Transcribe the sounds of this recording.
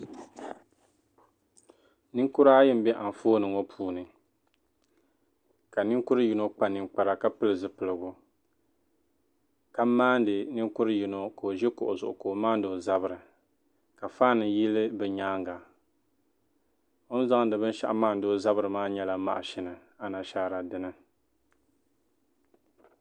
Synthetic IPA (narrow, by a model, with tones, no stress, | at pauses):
nɨ˦ŋkʊ˦ɾaː˦jɪ˦m˦bɛ˦ʔa˨n˨foː˦nɨ˨ŋo˦pʰuː˦nɨ˨ | ka˨nɨ˦ŋkʊ˦ɾɨ˦ji˦no˦k͡pa˨nɨ˨ŋk͡pa˨ɾa˨ka˦pɨ˦lɨ˨zɨ˦pɨ˨lɨ˨ɡʊ˦ | ka˦maː˦n˦dɨ˨nɨ˦ŋkʊ˦ɾɨ˦ji˨no˨ko˨o˨ʒɛ˦ko̰˨ʔʊ˨zʊ˨ʔʊ̰˨ko˨maː˦n˦do˨za˦bɨ˨ɾɨ˨ | ka˨faː˦nɨ˨ji˦lɨ˦bɛ˨ɲaː˦ŋɡa˨ | o˦n˦za˦ŋ˦dɨ˨bɨ˦n˦ʃa̰˦ʔa˦maː˦˨n˦do˦za˦bɨ˨ɾɨ˨maː˦ɲɛ˦la˨ma̰˦ʔʃɪ˨nɨ˨ | a˨na˨ʃaː˦ɾa˨dɨ˦nɨ˦